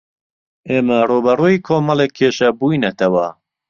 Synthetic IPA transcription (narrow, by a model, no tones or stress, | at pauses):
ʔeːmɐruːbɐruːiːkʰoːmɑlekʰːeːʃɐbuːjnɐt̪ʰɐwɐ